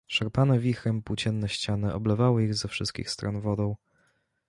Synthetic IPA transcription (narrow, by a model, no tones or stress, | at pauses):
ʂɛɾpanɛvʲixɾɛmpwt͡ɕɛnːɛɕt͡ɕanɘʔɔblɛvawɘiɣzɛfʂɘst̪̚kʲḭxst̪ɾɔnvɔd̪ɔ̃w̃